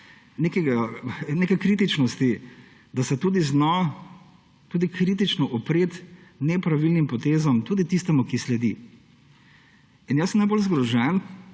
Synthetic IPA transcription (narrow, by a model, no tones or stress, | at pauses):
nekɛɡanekɛkɾiːt̪̬it͡ʃnɔst̪i | d̪asɛt̪uːd̪iznɔ | t̪uːd̪ikʰɾit̪̬it͡ʃnɔʔɔpɾeːt̪nɛpɾaʋilnimpɔt̪eːzɔmt̪uːd̪it̪ist̪ɛmukislɛd̪i | injasmnajbolzɡɾɔʒɛn